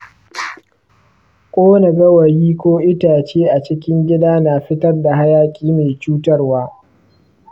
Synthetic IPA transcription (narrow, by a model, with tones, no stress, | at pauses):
kʷʼoː˦nɐ˨ɡɐ˦wɐ˨jiː˦kʷoː˦ʔɪ˦taː˨t͡ʃeː˦ʔa˨t͡ʃɪ˦kʲɪ˦ŋɡʲɪ˦daː˦naː˨ɸɪ˦tɐ˦rda˨ɦa˦jaː˦kʲʼiː˦meː˨t͡ʃuː˦tɐ˦rwaː˦